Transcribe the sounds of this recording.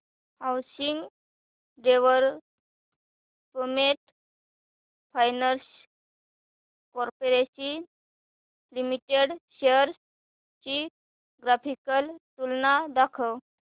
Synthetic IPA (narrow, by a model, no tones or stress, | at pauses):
hawsiŋɡ | ɖeʋəɾ | pəmeʈ | fajnəɾs | kɔɾpoɾesi | limiʈeɽɕeəɾs | t͡ɕi | ɡɾafikəlt̪ulnad̪akʰəw